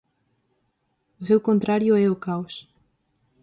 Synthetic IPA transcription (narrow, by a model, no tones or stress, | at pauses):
ʊsewkont̪ɾaɾjʊɛʊkaws